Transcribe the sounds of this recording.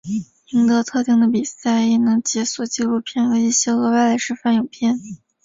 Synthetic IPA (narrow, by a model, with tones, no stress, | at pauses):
i˧˥ŋt̪ɤ˧˥t̪ʰɤ˥˧t̪i˥˩ŋd̪ə˨pi˨˩sa˥˩ɪɛ˨˩nɤ˧˥ŋt͡ɕjɛ˧˥swɔ˨˩t͡ɕi˥˧lu˥˧pʰjɛ˥˩nxɤ˧˥i˥˩ɕjɛ˥ɤ˧˥wa˥˧ɪla˧˥ʂɻ̩˥fa˥˩njo˨˩pʰjɛ˥˧n